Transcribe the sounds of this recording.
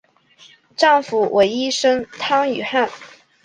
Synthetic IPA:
ʈ͡ʂɑ˥˩ŋfu˨˩wʔe˧˥ɪi˥ʂɤ˥ŋt̪ʰɑ˥ŋy̰˨˩xa˥˩n

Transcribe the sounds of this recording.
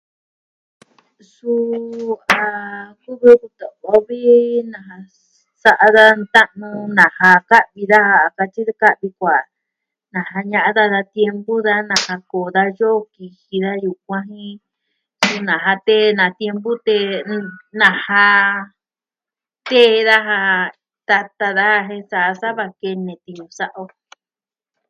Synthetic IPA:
su˦˧ | a˨ku˦βu˧ðu˧t̪o˨βo˦βi˦nã˨ɦa˧ | sa˦˧ʔa˧ða˦nt̪a˦ʔnũ˧nã˨ha˧ka˦ʔβi˧ða˦ha˧˨ka˧t͡ʃi˦ða˦ka˦ʔβi˧kʷa˨ | nã˨ha˧ɲã˦˧ʔa˦ða˦ða˧t̪je˧mbu˦ða˦nã˨ha˧koː˨ða˦jo˦˧ki˧hi˧ða˦ju˨k̚ʷã˦ɦĩ˦ | su˧nã˨ɦa˧t̪e˦nã˨t̪je˧mbu˦t̪e˧ | nã˨ha˧ | t̪eː˦˧ða˦ɦa˧ | t̪a˧t̪a˧ða˦ha˧ɦẽ˦˧sa˦˨ʔa˧sa˦βa˧ke˧nẽ˨t̪i˧ɲũ˧sa˦ʔo˧

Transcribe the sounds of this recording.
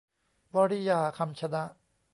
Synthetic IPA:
wɔ˧ɾi˦jaː˨˧˩kʰa˧mt͡ɕʰa˧d̪a˦˥ʔ

